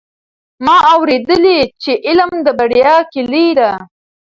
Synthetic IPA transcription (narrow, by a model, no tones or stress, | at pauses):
mɑʔawɾed̪əlit͡ʃeʔɪlmd̪əbaɽjɑkeliɾa